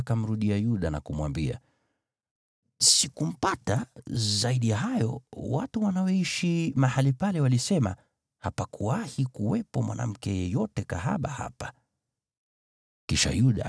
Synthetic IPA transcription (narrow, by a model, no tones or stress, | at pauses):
kam̩ɾuɗiajuɗana̰kumwambia̰ | sikum̩patazaiɗijaɦajɔ̰watuwanaɛiʃimahalipalɛwalisɛma̰ | hapakuwahikuwɛpɔmwa̰nʔa̰m̩kɛjɛjɔtɛkaɦa̰ɓaha̰pḁ | kiʃa̰juɗa̰